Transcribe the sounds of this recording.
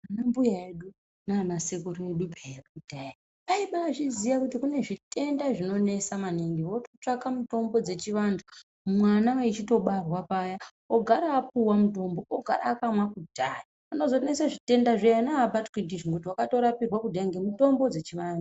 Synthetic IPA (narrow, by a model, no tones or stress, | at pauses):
anambujaeɗu | nanasekuɾeɗupʰajrkudʱaji | paiɓaːt͡ʃizijakutikune̞ʐite̞ndaʐino̞ne̞samaniŋɡiwo̞to̞t͡ʂakamuto̞mbo̞d͡ze̞t͡ʃiʋandu | mwanaait͡ʃito̞ɓarwapaja | oɡʱaɾaːp̚uwamuto̞mbo̞oɡʱaɾaːkamwakudʱaji | ano̞zo̞ne̞saʐite̞ndaʐejanaːbatkidiʐikutiwakato̞ɾapirwakudʱaeŋɡemuto̞mbo̞d͡ze̞t͡ʃiʋaːndu